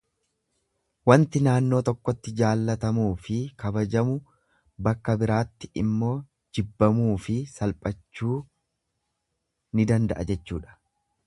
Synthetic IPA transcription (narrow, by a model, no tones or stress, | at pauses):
wɐnt̪ɪnaːnːo̞ːt̪ɔkːɔt̪ːɪd͡ʒaːlːɐt̪ɐmuːfɪkɐbɐd͡ʒɐmʊ | bɐkːɐbɪɾaːt̪ːɪʔɪmːo̞ː | d͡ʒɪbːɐmuːfɪsɐlpʼɐt͡ʃːuː | nɪd̪ɐnd̪ɐ̰ʔɐd͡ʒɛt͡ʃːuːᶑɐ̥